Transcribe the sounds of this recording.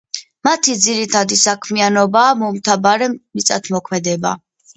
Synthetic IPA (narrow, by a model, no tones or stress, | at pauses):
mat̪ʰid̪ziɾit̪ʰad̪isakʰmianɔbaːmɔmt̪ʰabaɾɛmit̪sʼa̰t̪ʰmɔkʰmɛd̪ɛba̰